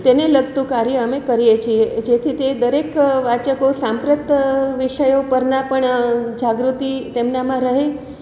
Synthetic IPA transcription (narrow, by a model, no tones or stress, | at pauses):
t̪eneləɡt̪ũkaɾjəəmekəɾijet͡ʃʰied͡ʒet̪ʰit̪ed̪əɾekʋat͡ʃəkosãmpɾət̪ʋiʃəjopəɾnapəɳd͡ʒaɡɾut̪it̪emnamãɾəɦe